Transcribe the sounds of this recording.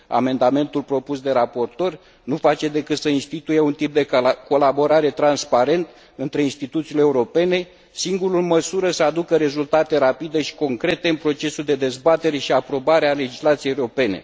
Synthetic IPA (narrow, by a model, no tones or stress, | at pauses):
a̰me̞nd̪ame̞nt̪ulpɾo̞pusd̪e̞ɾapo̞rt̪o̞r | nufat͡ʃe̞d̪e̞kɨt̪səinst̪it̪uje̞unt̪ip̚d̪e̞ko̞labo̞ɾaɾe̞t̪ɾanspaɾe̞nt̪ | ɨnt̪ɾe̞inst̪it̪ut̪sileːuɾo̞pe̞ne̞ | siŋɡuɾuməsuɾəsəad̪ukəɾe̞zult̪at̪e̞ɾapid̪e̞ʃi̥ko̞ŋkɾe̞t̪e̞ɨnpɾo̞t͡ʃe̞suld̪e̞d̪e̞zbat̪e̞ɾe̞ʃiapɾo̞baɾeale̞d͡ʒislat̪sieeuɾo̞pe̞ne̞̰